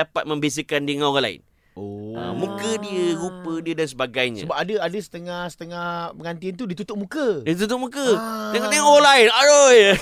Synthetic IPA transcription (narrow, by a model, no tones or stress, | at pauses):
apat̪̚mə̃mbes̬əkandiəŋaoɣãla̰ɪ̰n | oə̰mũkədiəɾupədiədans̬əbaɡajɲa̰bapadəadəsə̥t̪əŋahsə̥t̪əŋahpəŋant̪iant̪̬udit̪ut̪ʊʔ̚mũkədit̪ut̪ʊʔ̚mũkədəŋat̪əŋaolainaɾoj